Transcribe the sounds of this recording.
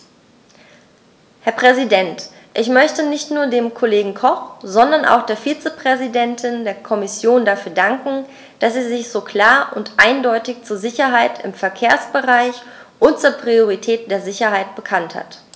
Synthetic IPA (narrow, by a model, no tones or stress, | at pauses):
hɛɐpʁ̥ɛzidɛnt | ʔɪçmœçtənɪçtnuːɐdeːmkʰoleːɡŋ̩kʰɔχz̥ɔndɐnʔa̰ʊxd̥eːɐfiːt͡səpʁ̥ɛzidɛntʰɪndeːɐkʰɔmɪsjoːndafyːɐdaŋkŋ̩ | d̥aseːɐzɪçz̥oːkʰl̥aːɐʔʊntʔaɪndɔʏtɪçt͡suːɐzɪçɐɦaɪtɪ̰mfɛɐkʰeːɐsb̥əʁaɪç | ʔʊnt̚t͡suːɐpʁ̥ioʁitʰɛːt̚d̥eːɐzɪçɐɦaɪt̚b̥əkʰantha̰t